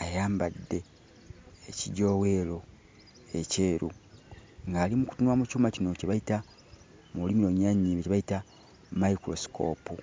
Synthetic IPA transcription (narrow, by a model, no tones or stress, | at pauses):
ajaːmbadːe̞ː | ciɟo̞welo̞ | ece̞ːɾu | ŋɡaːlimuku̥tunwamucuːmacino̞ceβaita | mulimiɾo̞ɲaɲiːβeceβaita | maikɾo̞si̥kʰo̞̰ːpu